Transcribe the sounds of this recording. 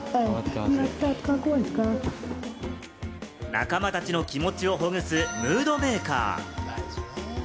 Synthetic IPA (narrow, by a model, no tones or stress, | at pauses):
iat̪at̪kakoːisɨ̥ka | na̰kamat̪at͡ɕino̞kʲimo̞t͡ɕio̞ɦo̞ŋɯ̟sɨmɯ̟ːd̪o̞me̞ːka̰ː